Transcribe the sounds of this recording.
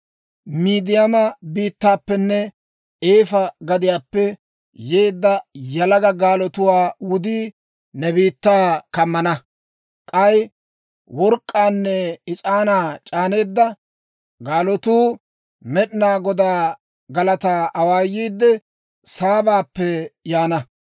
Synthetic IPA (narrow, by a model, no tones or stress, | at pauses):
miːd̪ɪjɐmɐbiːt̪ːaːpːɛnːɛ | eːfɐɡɐd̪ɪjaːpːɛ | je̞ːd̪ːɐjɐlɐɡɐɡaːlɔt̪ʊwaːwʊd̪iː | nɛbiːt̪ːaːkɐmːɐnɐ | kʼɐj | wɔɾkʼːaːnːɛɪt͡ʃʼaːnaːt͡ʃʼaːne̞ːd̪ːɐ | ɡaːlɔt̪uː | mɛɗɪnaːɡɔd̪aː | ɡɐlɐt̪aːʔɐwaːjːiːd̪ːɛ | saːbaːpːɛjaːnɐ